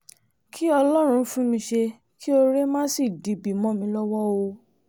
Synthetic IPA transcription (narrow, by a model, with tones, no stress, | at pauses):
kʰi˦ɔ˧lɔ˦ɾ̃ũ˧fũ˦mĩ˧ʃe˧ | kʰi˦o˧ɾe˦mã˦si˦˨di˨˦bi˨mɔ̃˦mĩ˧lɔ˦wɔ˦o˧